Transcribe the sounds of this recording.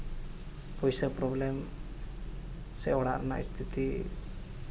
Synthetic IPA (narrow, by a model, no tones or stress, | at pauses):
pɔjsəpɾɔblem | sɛɔɽa̰ɾna̰ḭst̪ʰit̪i